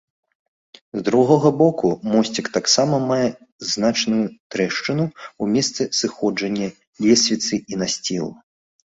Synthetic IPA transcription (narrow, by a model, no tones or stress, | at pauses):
zd̪ɾuɣɔɣɐbɔkumɔsʲt͡sʲikt̪aksamɐmajɛ | znat͡ʂnujut̪ɾɛʂt͡ʂɨnuumʲɛst̪sɨsɨxɔd͡ʐɐnʲːɐ | lʲɛsʲvʲit̪sɨʔinasʲt͡sʲilˠu